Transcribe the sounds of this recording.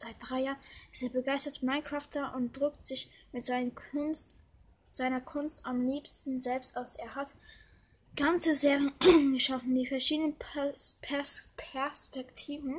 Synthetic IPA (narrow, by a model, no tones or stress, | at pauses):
z̥aɪt̚d̥ʁaɪjaːʁənɪsteːɐbəɡaɪstɐtmaɪnkʁ̥aːftaʔʊnt̚d̥ʁʏk̚tz̥ɪçmɪtz̥ | z̥aɪnɐkʰʊnstʔamliːpstn̩zɛlpstʔaʊsʔeːɐɦat | ɡ̥ant͡səzeːʁjənənɡəʃafn̩diːfɛɐʃiːdənənpʰɛɐspʰɛɐspɛktʰiːvn̩